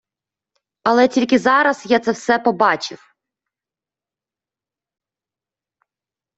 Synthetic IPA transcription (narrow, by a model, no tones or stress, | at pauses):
ɐlˠɛtʲilʲkɪzɑɾɐsjat̪sɛwsɛpɔbɑt͡ʃɪ̰w